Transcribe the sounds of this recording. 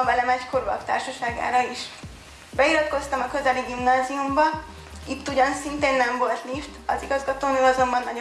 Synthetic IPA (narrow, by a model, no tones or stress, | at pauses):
ɒvɛlɛmɛckorvɒ̰kt̪a̰ːrʃɒʃaːɡa̰ːɾɒiʃ | bɛiɾɒt̪ko̞st̪ɒmɒkø̞zɛliɡimnaːziumbɒ | it̪ːuɟɒnsint̪eːnːɛɱvo̞lt̪liʃt̪ɒziɡɒzɡɒt̪oːnyːlɒzombɒnːɒɟ